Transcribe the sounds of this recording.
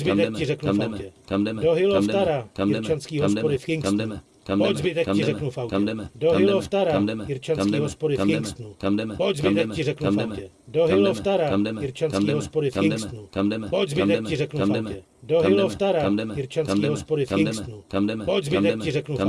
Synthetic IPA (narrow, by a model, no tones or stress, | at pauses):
zbɪt̪ɛc̚cɪrɛknuafawcɛdoɦɪloft̪aɾaɪɾt͡ʃanskiːɦospodɪfkɪŋksnu | poczbɪt̪ɛccɪɾɛknufawɛdoɦɪoft̪aɾaɪɾt͡ʃaskːɦospodɪkɪŋkst̪nupoczbt̪ɛccɪrɛknafwcɛ | doɦɪlofaɾajɪɾt͡ʃanskiːɦspodɪfɪksnupoczbɪtcɪrɛknufawcɛ | doɦɪloft̪aɾaɪɾt͡ʃanskiːɦospodɪfɪŋkst̪nupoczbɪɛk̚cɪrɛknu